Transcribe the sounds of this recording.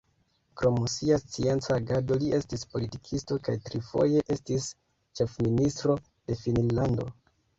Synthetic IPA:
kɾo̞msiast͡sie̞nt͡saːɡado̞liʔe̞stispo̞litikʰisto̞kajtɾifo̞̰je̞ʔe̞stis | t͡ʃe̞fministɾo̞ | d̥e̞finnlando̞̰

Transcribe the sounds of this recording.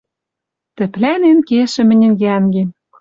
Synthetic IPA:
t̪ɘ̆plænenkeʃɘ̆mɘ̆nʲɘ̆nɡæŋɡem

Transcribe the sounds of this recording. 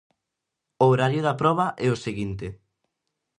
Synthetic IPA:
oɾaɾjʊðapɾɔβ̞aʔɛoseɣint̪e

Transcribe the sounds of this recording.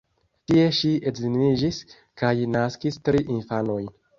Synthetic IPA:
tie̞ʃietzinid͡ʒis | kajnaskistɾiʔinfano̞jn

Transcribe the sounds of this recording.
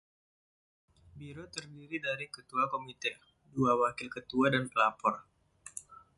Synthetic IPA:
biɾot̪ərdiɾidaɾikət̪uakomit̪ɛ | duawakɪlkət̪uadanpəlapɔr

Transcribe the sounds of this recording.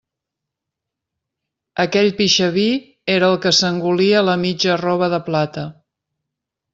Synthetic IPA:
əkɛʎpiʃəβi | eɾəːlˠkəsəŋɡuliələmid͡ʒərɔβ̞əðəplat̪ə

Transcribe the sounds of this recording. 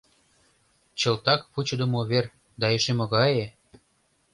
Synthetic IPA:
t͡ɕɤ̆lt̪ɑkput͡ɕɤ̆d̪ə̆moβer | d̪ɑeʃemŏɣɑje

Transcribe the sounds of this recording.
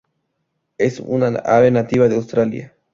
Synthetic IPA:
esṵnaa̰βenat̪iβaðeawst̪ɾalja̰

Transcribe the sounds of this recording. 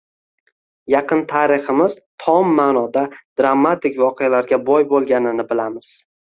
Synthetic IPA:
jɑqʰɨnt̪ʰaɾɪχɪmɪzt̪ʰɒmːaːnɒd̪ad̪ɾamːat̪ɪkʲvɒqʰejalaɾɡʲabɒjbolˠɡʲanɪnɪbɪlamɪz̥

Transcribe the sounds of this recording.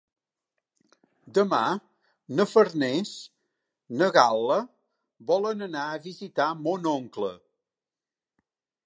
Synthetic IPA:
d̪əma̰ | nəfəɾnɛs | nəɣalˠə | βɔlənənaəβizit̪amonoŋklə̰

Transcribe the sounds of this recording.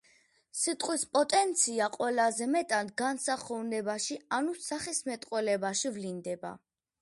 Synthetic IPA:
sit̪ʼqʼwispʼɔt̪ʼɛnt̪sʰiaqʼwɛlazɛmɛt̪ʼand̪ɡansaχɔvnɛbaʃianusaχismɛt̪ʼqʼwɛlɛbaʃivlind̪ɛba̰

